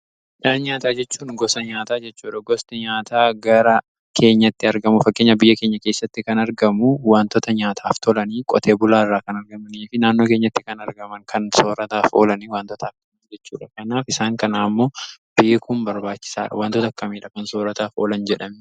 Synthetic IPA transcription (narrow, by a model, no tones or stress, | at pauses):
ɪᶑaːɲaːt̪aːd͡ʒɛt͡ʃːuːnɡɔsɐɲaːt̪aːd͡ʒɛt͡ʃːuːᶑɐɡɔst̪ɐɲaːt̪ʰaːɡɐɾɐ | kʰe̞ːɲːɐt̪ːɪɐɾɡɐmʊfɐkʼːe̞ːɲːɐbɪjːɐkeːɲːɐke̞ːsːɐt̪ːɪkɐnɐɾɡɐmʊwaːnt̪ɔt̪ɐɲaːt̪ʰaːft̪ʰɔlɐniːkʼɔ̰t̪ʰe̞ːbʊlaːɪrːaːkɐnɐɾɡɐmɐniːfɪnaːnːo̞ːke̞ːɲːɐt̪ːɪkɐnɐɾɡɐmɐŋkʰɐnso̞ːɾɐt̪aːfo̞ːlɐniːwaːnt̪ɔt̪ʰɐːkːɐmiːd͡ʒɛt͡ʃːuːᶑɐkɐnaːfɪsaːŋkɐnaːmːo̞ːb̥iːkʰuːmbɐɾbaːt͡ʃːɪ̥sa̰ːᶑɐ̰waːnt̪ɔt̪ɐkːɐmiːᶑɐkɐnsoːɾɐt̪aːfoːlɐnd͡ʒɛᶑɐm